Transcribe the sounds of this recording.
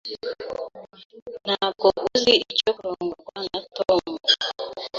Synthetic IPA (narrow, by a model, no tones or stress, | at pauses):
n̥akoʔuziit͡ʃɔkuɾoŋɡokwaŋatɔmu